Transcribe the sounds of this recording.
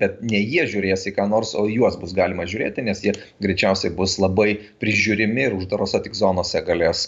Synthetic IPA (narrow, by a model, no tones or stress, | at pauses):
b̥ʲɛt̪̚nʲɛjiɛʒʲʊːɾʲeːjsʲɪkɑːnoːrsoːjuɔsbʊsɡɑːlʲɪmɐʒʲʊːɾʲeːt̪ʲɪnʲɛsjiɛ | ɡɾʲɛɪt͡ʃʲɛʊsʲɛɪbʊslˠɐbɐɪpʲɾʲɪʒʲuːɾʲɪmʲɪɪɾʊʒd̪ɐɾoːsʲot̪ʲɪkzoːnoːsʲɛɡɐlʲeːs